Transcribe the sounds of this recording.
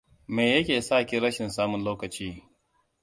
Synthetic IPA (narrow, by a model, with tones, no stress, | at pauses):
me˨jɐ˦kʲeː˨saː˦˨kʲi˦ɾɐ˦ʃɪ˨nsaː˦mʊ˨nloː˦kɐ˨t͡ʃiː˦